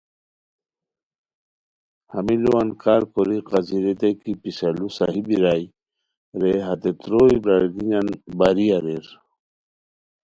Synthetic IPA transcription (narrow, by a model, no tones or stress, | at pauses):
hamiluankaɾkoɾiqaziɾet̪ekipisalusaɦibiɾaj | ɾeɦat̪et̪ɾoibɾaɾɡiɲanbaɾiaɾeɾ